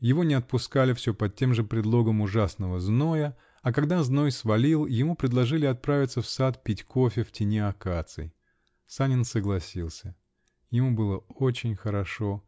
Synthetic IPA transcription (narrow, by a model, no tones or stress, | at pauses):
jɪvo̞nʲɪɐt̪̚pʊskalʲɪfsʲopɐtʲːe̞mʐɨpɾʲɪd̪lˠo̞ɡəmʊʐasnəvəznojə | ɐkɐɡd̪azno̞jsvɐlʲilˠjɪmupɾʲɪd̪lˠɐʐɨlʲɪɐt̪̚pɾavʲɪt̪səfsat̪pʲitʲkofʲɪftʲɪnʲeɐkat̪sɨ̰j | sanʲɪnsəɡlˠɐsʲilˠsʲə | jɪmubɨlˠəot͡ɕɪnʲxəɾɐʂo̞